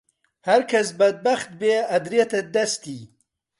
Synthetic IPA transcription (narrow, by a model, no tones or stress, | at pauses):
haɾkʰas̬bɐd̪̚baxt̪̚beːɐd̪ɾiet̪ɐd̪ɐst̪i